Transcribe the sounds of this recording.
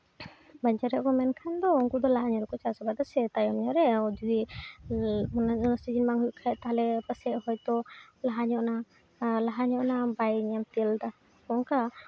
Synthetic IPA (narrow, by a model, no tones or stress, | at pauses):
baɲd͡ʒaɾɛʔ̚kɔmɛnkʰand̪ɔuŋkud̪ɔlaɦaɲɔɾɛkɔt͡ʃasɔbad̪asɛt̪ajɔmɲɔɾɛɔd͡ʒui | nɔnasid͡ʒinmaŋɦuʔkʰaɛʔt̪aɦalɛpəsɛʔhɔjt̪ɔlaɦaɲɔʔna | laɦaɲɔʔnabajɲamt̪ɛld̪a | kɔŋka